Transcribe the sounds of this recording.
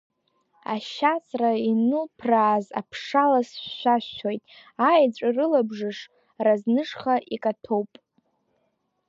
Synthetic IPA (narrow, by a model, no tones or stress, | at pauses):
a̰ʃat͡sʰʼrainɨlpʰraːza̰pʰʂalasɕʃʷaʃːʰojtʼajd͡zʷʼarɨlabʐɨʂ | raznɨʂχaʔikʼatʰowpʼ